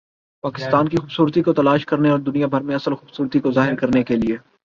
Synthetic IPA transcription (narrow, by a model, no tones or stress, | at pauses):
paːkɪst̪aːnkixʊːbsuːɾt̪ikot̪ɐlaːʃkɐɾneɔːɾd̪ʊnijabʱɐɾmẽɐsəlxʊːbsuːɾt̪ikozaːɦɪɾkɐɾnekelieː